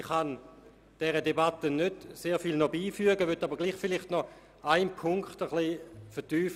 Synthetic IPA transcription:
χan | d̥ɛʁədebatənød̥seːfilnɔbiːfyəɡəʋøtːabəʁɡliːχfɪliχtnɔ | aɪnpʰʊŋkχtəχliːfɛɐtyːf

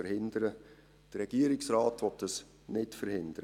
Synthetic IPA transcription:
əɾhɪndəɾə | d̥ərɾɛɡ̥iəɾɪksraːtʋɔtdɑs | nɪtfəɾhɪndəɾə

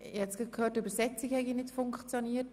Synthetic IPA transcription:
ɪhɛtt͡sɡ̥ɑt̚kʰhøːtybəɾsɛt͡siɡhɛɡinɪtfʊŋkχt͡sjoniːət

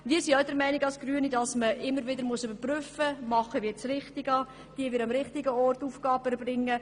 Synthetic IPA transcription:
viːsidɛɾmɛɪnɪɡɑlsɡ̥ryːənidɑsməʔɪmːəɾʋɪdəɾmʊəsʏbəɾpryfəmɑχəʋiːt͡srɪχtɪɡɑ | d̥iːəʋɪɾɑmɾɪχtɪɡəɔrtuːfɡ̥ɑːbɛɾbrɪŋːə

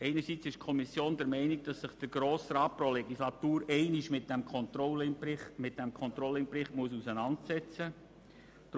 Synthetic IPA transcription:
ɛɪnəɾsit͡sɪʃkʰɔmisjoːndɛɾmɛɪniɡ̚d̥ɑsːɪχd̥əɾɡ̥ɾoːsɾɑːt̚pɾolɛɡislɑt̪uːɾɛɪniʃmɪt̚d̥ɛmkʰɔnt̪ɾɔlɪmɪt̚d̥ɛmkʰɔnt̪ɾɔlːəɪnpɾɪχtmuəs̬usənɑntsɛt͡sə | d̥

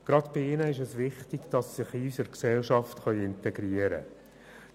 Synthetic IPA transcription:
ɡ̥ɾɑdb̥ɪɪnəɪʃɛsʋɪχtɪɡ̥d̥ɑsːɪχiysəɾksɛlʃɑftχœʏɪntɛɡɾiəɾə̰

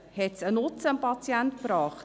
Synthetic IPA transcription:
hɛtsənʊt͡sənpɑt͡sjɛntpɾɑːχt

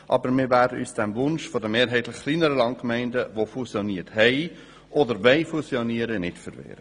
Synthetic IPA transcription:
ʔɑ̰bəɾmɪːɾvæːɾdəʔyːsd̥ɛmvʊnʃfodəmeːɾɦɛɪtlɪχχliːnəɾəlɑŋtkmæɪndəvofusjoniːəthɛɪ | ʔɔdəɾʋɛɪfusjoniəɾənɪtfəɾvḛːɾə

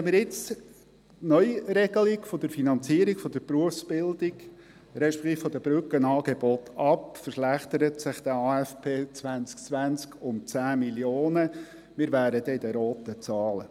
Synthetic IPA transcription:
ɛmɪɾjɪt͡s | nœʏɾɛɡ̥əlikfɔd̪əɾfinɑnt͡siəɾikfɔd̪əɾpɾuəfsb̥ɪld̪ik | ɾɛʃpɛ̥kt̪iːffɔdəbɾʏkənɑːɡebɔt̪ʰɑpfəɾʃlæχt̪əɾətsɪχd̥̪əɑːɛfpʰeːt͡sʋænt͡sk̚t͡sʋænt͡skʰʊnt͡sæːmiljoːnə | mɪːɾvæːɾəd̪ɛɪd̪əɾoːt̪ət͡sɑːlə̰

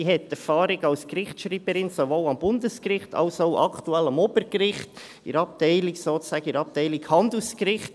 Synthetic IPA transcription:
ihɛtːɛɾfɑːɾɪɡɑʊskɾɪχtʃɾiːb̥əɾɪnsovoːlɑmbʊndəskɾɪχtʰɑ̰ʊsoʊʔɑ̰kʰtuɛlɑmɔbəɾkɾɪχt | ɪ̰ɾɑp̚tɛɪlɪksoːt͡sæːɡəɪɾɑp̚tɛɪlɪkhɑndl̩skɾɪχt

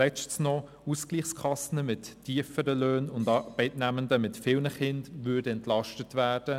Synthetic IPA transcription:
lɛt͡ʃtsnɔ | uskliːχskʰɑsənəmɪtʰːiəfəɾəløːnʊndɑːb̥ɛɪtnæməndəmɪtfɪːlnəχɪndʋʏdəɛntlɑʃtətʋæːd̥ə

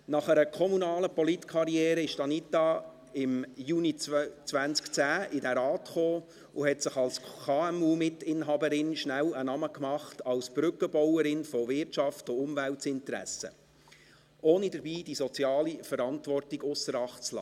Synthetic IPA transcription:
nɑχæɾəkʰɔmunɑːləpɔlitkʰɑɾiɛːɾəɪʃtɑnitɑ | ɪmjunit͡sʋænskt͡sæːʔɪdæɾɑːtχoː | ʊhɛtsəχɑlsʰɑːɛmumɪtɪnɦɑbəɾɪnʃnælənɑməkmɑχtɑlsb̥ɾʏkːəbɔwəɾɪnfɔvɪɾtt͡ʃɑftʊʊmvæltsɪntəɾæ̰sə̰ | oːnidəɾbiːd̥isɔt͡siɑːlifəɾɑntʋɔrtiɡʊsəɾɑχt͡slɑ̰ː

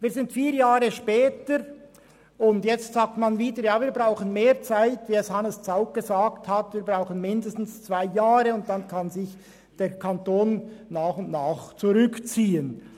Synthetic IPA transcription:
viːɐzɪntfiːjaːɾəʃpɛːtəɾ | ʊndjɛt͡stz̥aːk̚tmanviːdəɾjaːviːɐbʁaʊxənmeːʁt͡saɪtviːɛshanəst͡saʊk̚ɡ̥əzaːkthatviːɐbʁaʊxənmɪndəstn̩st͡sv̥aɪjaːɾəʊnt̚d̥ankʰɑnzɪç | d̥eːɐkʰantoːnːaːxʊndnaːχt͡suʁʏkt͡siːən

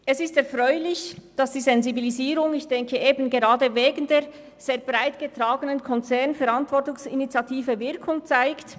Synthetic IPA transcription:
ʔɛsɪstɛɐfʁɔʏlɪçd̥ɑsd̥iːzɛnzibiliziːɾʊŋɪçd̥ɛŋkʰəʔeːbn̩ɡeʁɑːdəveːɡn̩deːʁ | z̥eːɐb̥ʁaɪtɡ̥ətʁaːɡənənkʰɔnt͡sɛɐnfɛɾɑntvɔɹtʊŋsinit͡sjɑtʰiːvəvɪɾkʰʊŋt͡saɪkt

